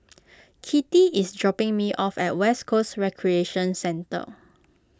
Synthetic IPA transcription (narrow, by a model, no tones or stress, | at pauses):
kʰitiisdɹɔpɪ̃ŋmiʔɔfɛt̚wɛskʰosɹɛkʰɹieʃə̃nsɛ̃ntə̰